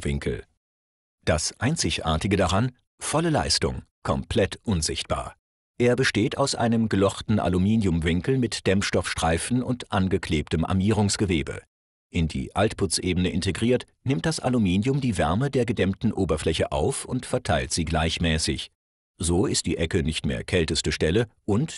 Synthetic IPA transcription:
vɪ̰ŋkl̩ | d̥asʔaɪnt͡sɪçʔa̰ːɐtɪɡədaʁan | fɔləla̰ɪstʊŋkʰɔmpʰl̥ɛtʔʊnzɪçt̚b̥a̰ːɐ | ʔeːɐbəʃteːta̰ʊsʔa̰ɪnəmɡəlɔχtn̩ʔa̰lumiːnjʊmvɪŋkl̩mɪtd̥ɛmfʃtɔfʃtʁ̥aɪfn̩ʊntʔanɡəkʰl̥eːp̚təmʔa̰ɐmiːʁ̞ʊŋsɡ̥əveːbə̰ | ʔɪndḭːʔaltpʰʊt͡sʔeːbən̩əʔɪnteɡʁiːɐt | nɪmt̚d̥asʔa̰lumiːnjʊmdiːvɛɐmədeːɐɡədɛmtn̩ʔoːbɐflɛçə̰ʔa̰ʊfʊntfɛɐtʰaɪltz̥iːɡlaɪçmɛːsɪç | z̥oːɪst̚d̥ḭːʔɛkənɪçtmḛːɐkʰɛltəstəʃtɛləʔʊnt

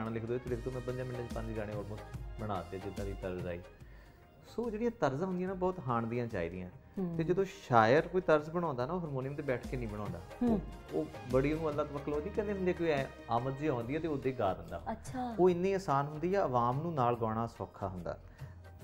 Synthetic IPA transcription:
ɽ̃ãlɪkʰd̪oːeːt̪eːlɪkʰd̪oːmɛ̃ːbənd͡ʒ̪ãːmɪnːeːipə̃ɲd͡ʒɡaːɽ̃eːoːlmoːsbəɽ̃aːt̪eɛd͡ʒɪd̪ãːd̪iːt̪əɾza̰ːḭː | soːd͡ʒeːɽijãːt̪əɾzãːɦʊnd̪jãːnaːbɔːt̪ɦaːɳd̪ijãːt͡ʃa̰ːḭːd̪ɪjã̰ːt̪eːd͡ʒəd̪õːʃaːjəɾkoːiːt̪əɾzbəɽ̃ãːnd̪aːnaːoːɦəɾmoːnɪjəmt̪eːbɛːʈʰkeːnĩːbəɽ̃ɔ̃ːnd̪a̰ː | oːbəɽiːnũːəlːãːt̪oʋəkʰːəloːd͡ʒĩːkɛ̃nd̪eːɦʊnd̪eːkoːiɛ | aːmət̪ziːãːnd̪iːɛːt̪eːoːd̪eːɡaːd̪ənd̪a̰ːʃʰaoːɪnːiːaːsaːnɦʊnd̪iːjɛːəʋaːmnũːnaːlɡɔːɽaːsɔːkʰːaːɦʊnd̪a̰ː

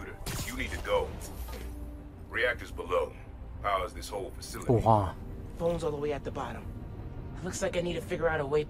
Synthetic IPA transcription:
ʉɾə˞jɨnid̚tʰɨɡoʊ | ɹiæk̚tə˞zbəloʊ | haʊəzðɪshoʊlˠfɨsɪlˠɨwɑfõʊ̃nzɔlˠðˠəweɪɨt̪̚ðɨbɑɾə̰̃mˡ | lʊkslaɪkaɪnid̚tʰɨfɪɡjə˞aʊɾəweɪ

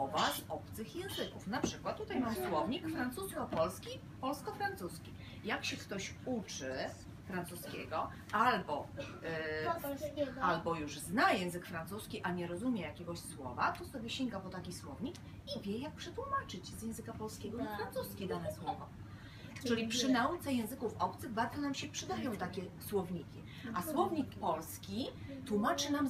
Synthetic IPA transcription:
ɔvazɔpt̪sɘxjɛ̃w̃zɘkufnapʂɘkwat̪tːut̪ajmamswɔvɲikfɾant̪suskʲiɔpɔlskʲi | pɔlskɔfɾant̪suskʲi | jakɕɛkt̪ɔɕut͡ʂɘ | fɾant̪suskʲɛ̰ɡɔ | albɔ | albɔjuʐznajɛ̃w̃zɘkfɾant̪suskʲiʔaɲɛɾɔzumʲjɛjakʲɛɡɔɕswɔvat̪ɔsɔbʲjɛɕɛŋɡapɔt̪akʲiswɔvɲik | ivʲjɛjak̚pʂɛt̪wumat͡ʂɘt͡ɕzʲjɛ̃w̃zɘkapɔlskʲɛɡɔaɾant̪uskʲid̪anɛswɔvɔ | ɘlʲipʂɘnaut̪sɛjɛ̃w̃zɘkufɔp̚t̪sɘɣbaɾd̪zɔnamɕɛpʂɘd̪ajɔ̃w̃t̪akʲɛswɔvɲikʲi | ʔaswɔvɲik̚pɔlskʲit̪wumat͡ʂɘnam

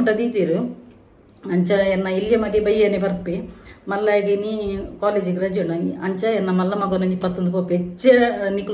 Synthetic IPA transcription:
ɖɐd̪it̪iːɾu | ɐɲt͡ʃɐɛnːɐiljɐmɐɖibɐjɐnipɐɾpːimɐlːɐɡinikaːled͡ʒikɾɐd͡ʒunɐɐɲt͡ʃɐɛnːɐmɐlːɐmɐɡonɐɲd͡ʒipɐt̪ːɐnd̪upoːpet͡ʃːenikːu

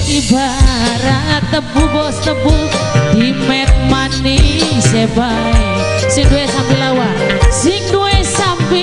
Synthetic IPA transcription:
ibaɾat̪əbubɔst̪əbu | d̪̥imɛt̪̚maniseba | ɛ | siŋduesampilawa | sɪŋduesampi

